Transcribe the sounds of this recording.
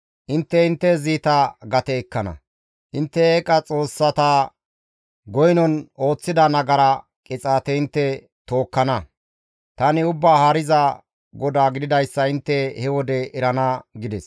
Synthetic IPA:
ʔɪnt̪ːɛɪnt̪ːɛziːt̪ɐɡɐt̪ɛːkːɐnɐ̰ | ʔɪnt̪ːɛeːkʼɐt͡sʼo̞ːsːɐt̪aː | ɡɔjnɔno̞ːt͡sːɪd̪ɐnɐɡɐɾɐ | kʼɪt͡sʼaːt̪ɛɪnt̪ːɛ | t̪o̞ːkːɐnɐ | t̪ɐnɪʊbːaːhaːɾɪzɐ | ɡɔd̪aːɡɪd̪ɪd̪ɐjsːɐɪnt̪ːɛhɛwɔd̪ɛʔɛɾɐnɐɡɪd̪ɛs

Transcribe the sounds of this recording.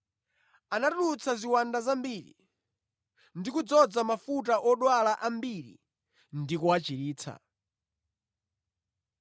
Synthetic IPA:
anatut͡sʰaziwandazambiːɾḭ | ndikud͡zɔd͡zamafut̬aʔɔɗwalaʔambiɾḭ | ndikuat͡ʃiɾiːt͡sʰa̰

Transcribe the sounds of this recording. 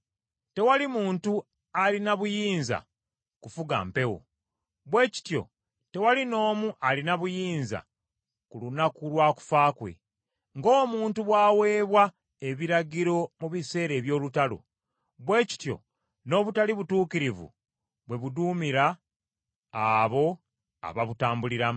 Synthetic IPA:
te̞walimuːntu | alinaβujiːnza̰ | kufuɡa̰mpe̞wo̞̰ | βwe̞ːci̥tjo̞̰ | te̞walino̞ːmuʔalinaβujiːnza̰ | kulunakulwaːku̥faːkwe̞̰ | ŋɡo̞ːmuːntuβwaːwe̞ːβwa | e̞βiɾaɟiɾo̞muβise̞ːɾe̞ːβjo̞ːlutalo̰ | βwe̞ːci̥tjo̞̰ | no̞ːβutaliβutuːkiɾivṵ | βwe̞βuduːmiɾaː | βo̞ | a̰βaβutaːmbuliɾa

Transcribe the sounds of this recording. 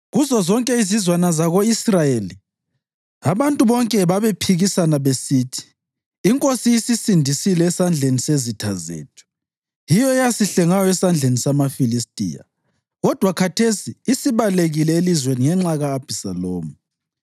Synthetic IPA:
ɣuzɔzɔŋkʼɛizizwanazaɣoisrajeli | aβantʼuβɔŋkʼɛβaβepʰiɣisanaβesiːtʰi̥ː | ŋkʼosiisisindʱisilɛːsand͡ɮʱenisezitʰazḛːtʰu̥ | jijɔɛjasiɬɛŋajɔɛsand͡ɮʱenisamafilistʼḭja̰ | ɣɔd̥ʱwakʰatʰesiːsiβaleɣilɛelizweniŋɛŋ͡ǁaɣaːb̥ʱisaloːmu

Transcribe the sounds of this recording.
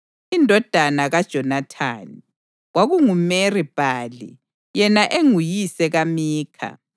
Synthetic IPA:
indʱɔd̥ʱanaɣad̥ʒ̥ʱɔnatʰa̰ːni | ɣwaɣuŋumerib̥ʱaːlḭ | jɛnaʔeŋujisɛɣamiːkʰa̰

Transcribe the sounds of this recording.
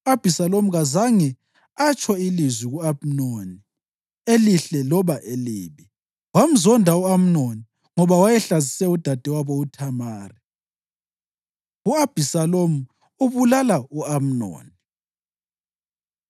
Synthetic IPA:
uab̥ʱisalomuɣazaŋɛ | at͡ʃʰʼɔilizwiɣuam̩noni | eliɬɛlɔβaʔeliːβi | wam̩zɔndʱauam̩noni | ŋɔβawajɛɬazisɛud̥ʱad̥ʱɛwaβɔutʰamaːri | uab̥ʱisalomu | uβulalauam̩no̰ːni

